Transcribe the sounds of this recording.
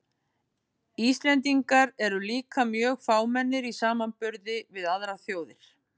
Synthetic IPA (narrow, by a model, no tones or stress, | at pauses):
ist̪lɛnt̪̬iŋkaɾɛɾʏliːkamjœːɣfaːwmɛnːɪɾisaːmanpʏɾðɪvɪðaðɾaθjoːwðɪɾ̥